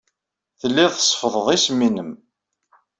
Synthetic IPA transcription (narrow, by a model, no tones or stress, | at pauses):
θəlːiðˤsˤːfəðˤəðˤisminəm